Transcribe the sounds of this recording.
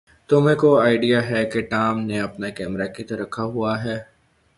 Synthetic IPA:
t̪ʊmẽkoaːɪɖijaɦɛkeʈaːmneɐpnakɛːmɾakit̪ɐɾɐkʰːaɦuaɦɛː

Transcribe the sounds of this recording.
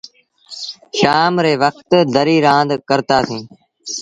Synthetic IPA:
ʃaːmɾeːʋəkt̪d̪əɾiːɾãːnd̪kəɾt̪aːsĩː

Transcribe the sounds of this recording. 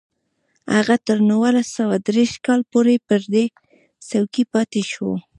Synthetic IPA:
ha̰ɣat̪əɾnawalasawad̪ɾeʃkɑlpoɾepəɾd̪e | sawkipɑt̪eʃwo̰

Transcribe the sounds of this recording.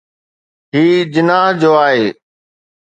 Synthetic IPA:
ɦiːd͡ʑɪnaːɦd͡ʑoːaːɦeː

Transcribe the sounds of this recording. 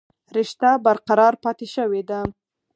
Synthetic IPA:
ɾɪʃt̪abaɾqaɾɑɾpɑt̪eʃəwed̪a

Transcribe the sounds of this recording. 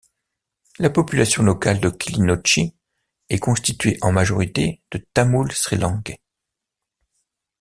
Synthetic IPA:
lapɔpylasjɔ̃lɔkald̪əkʲʰilinɔt͡ʃi | ɛkɔ̃st̪it̪ɥeʔɑ̃maʒɔʁit̪ed̪̥ət̪amulsχilɑ̃ɡɛ

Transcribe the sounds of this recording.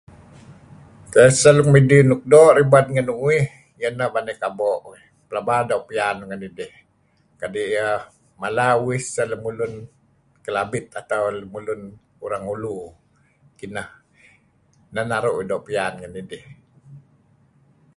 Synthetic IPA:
kajasəlukmidinuk̚doʔɾibad̪̚ŋənuŋuih | jənəbanɛkaboʔi | pəlabadoʔpianŋənidɪh | kadiʔjə | malauwisələmulʊn | kəlabɪt̪̚at̪awləmulun | uɾaŋulu | kinəh | nanaɾuʔwidoʔpianŋənidɪh

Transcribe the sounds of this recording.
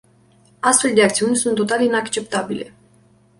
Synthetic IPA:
ast̪fe̞ld̪eakt̪siunʲsunt̪ːo̞t̪alinakt͡ʃe̞pt̪abile̞̰

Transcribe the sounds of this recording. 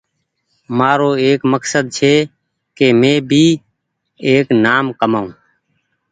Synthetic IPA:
maːɾoːeːkməksəd̪̚t͡ʃʰeː | keːmẽːbʱiː | eːknaːmkəmaːũː

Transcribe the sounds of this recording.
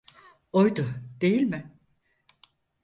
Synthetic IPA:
ojd̪ʊd̪̥e̞jilʲmɪ

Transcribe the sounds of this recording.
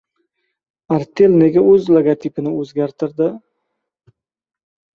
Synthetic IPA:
aɾt̪ʰe̞lne̞ɡʲaɵzleɡat̪ʰipʰɪnɪɵzɡʲaɾt̪ʰɪɾd̪ɪ

